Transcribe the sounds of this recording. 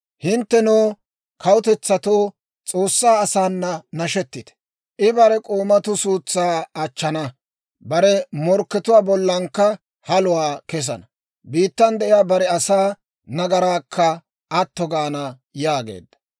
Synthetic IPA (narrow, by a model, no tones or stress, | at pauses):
hɪnt̪ːɛnoː | kʰɐwʊt̪ɛt͡sːɐt̪oː | t͡sʼo̞ːsːaːɐsaːnːɐnɐʃɛt̪ːɪt̪ɛ̥ | ʔɪbɐɾɛkʼoːmɐt̪ʊsuːt͡sːaːɐt͡ʃːɐnɐ | bɐɾɛmɔɾkːɛt̪ʊwaːbɔlːɐŋkːɐ | hɐlʊwaːkɛs̬ɐ̰nɐ | biːt̪ːɐnd̪ɛʔɪjaːbɐɾɛɐsaː | nɐɡɐɾaːkʰːɐ | ɐt̪ːɔɡaːnɐ | jaːɡḛːd̪ːɐ